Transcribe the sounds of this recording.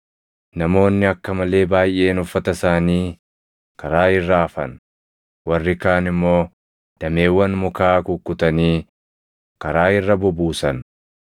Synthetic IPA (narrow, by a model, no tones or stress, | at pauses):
nɐmo̞ːnːɪɐkːɐmɐle̞ːbaːjʔe̞ːnʊfːɐt̪ɐsaːniː | kɐɾaːɪrːaːfɐn | wɐrːɪkaːnɪmːo̞ː | d̪̥ɐme̞ːwːɐnmʊkaːkʊkʼːʊt̪ɐniː | kɐɾaːɪrːɐbʊbuːsɐn